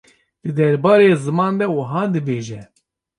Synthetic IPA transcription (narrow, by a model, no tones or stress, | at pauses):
d̪̥ɨd̪ɛɾbɑːɾeːzɨmɑːnd̪ɛwɨɦɑːd̪ɨbeːʒɛ